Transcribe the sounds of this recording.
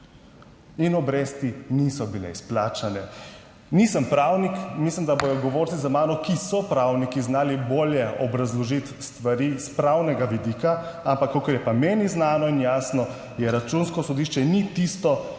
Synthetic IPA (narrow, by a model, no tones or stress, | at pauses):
inɔbɾeːst̪inisɔbilɛ̰isplaːt͡ʃanɛ | nisəmpɾawnikmislimd̪abojɔɡɔʋoːɾsizamaːnɔkisɔpɾaːwnikiznaːliboːljɛʔɔbɾazlɔʒit̪st̪ʋaɾispɾawnɛɡaʋid̪iːka | ampakːokəɾjɛpameːniznaːnɔinjaːsnɔ | jɛɾat͡ʃunskɔsɔd̪iːʃt͡ʃɛnit̪ist̪ɔ